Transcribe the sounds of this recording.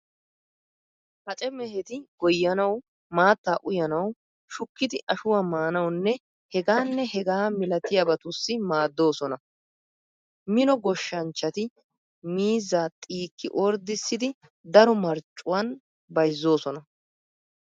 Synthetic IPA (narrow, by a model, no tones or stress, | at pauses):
hɐt͡ʃʼɛmɛɦɛt̪ɪɡ̥ɔjːɐnɐw | maːt̪ːaːʔʊjɐnɐw | ʃʊkːɪd̪ɪʔɐʃʊwamaːnɐwnːɛ | hɛɡaːnːɛhɛɡaːmɪlɐt̪ɪjɐbɐt̪ʊsːɪmaːd̪ːo̞ːsɔnɐ | mɪnɔɡɔʃːɐnt͡ʃːɐt̪ɪ | miːzaːt̪ʼiːkʰːɪ̰ʔɔɾd̪ɪsːɪd̪ɪ | d̪ɐɾɔmɐɾt͡ʃʼːʊwɐn | bɐjzːo̞ːsɔnɐ